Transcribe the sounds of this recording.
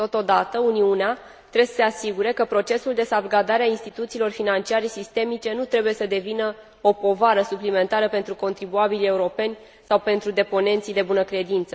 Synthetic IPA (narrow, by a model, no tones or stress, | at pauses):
t̪o̞t̪o̞d̪at̪əuniunea | t̪ɾesə̥se̞asiɡuɾe̞kəpɾo̞t͡ʃe̞suld̪e̞savɡad̪aɾeainst̪it̪ut̪siːlo̞rfinant͡ʃiaɾesist̪e̞mit͡ʃe̞nut̪ɾe̞buje̞səd̪e̞vinə | o̞po̞vaɾəsuplime̞nt̪aɾəpe̞nt̪ɾuko̞nt̪ɾibuabilʲe̞uɾo̞pe̞nʲ | sawpe̞nt̪ɾud̪e̞po̞ne̞nt̪sijd̪e̞bunəkɾe̞d̪int̪sə